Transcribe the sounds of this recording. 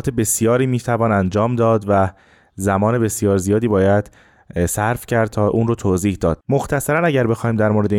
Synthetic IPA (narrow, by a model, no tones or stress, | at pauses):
t̪ʰebe̞sjɒːɾiːmiːt̪ʰævɒːnænd͡ʒɒːmd̪ɒːd̪væ | zæmɒːne̞be̞sijɒːɾzijɒːd̪iːbɒːjæd̪ | sæɾfcʰæɾd̪̚t̪ʰɒːʔuːnrot̪ʰoːziːhd̪ɒːd̪̥̚moxt̪ʰæsæɾænæɟæɾbe̞xɒːiːmd̪æɾmoːɾed̪e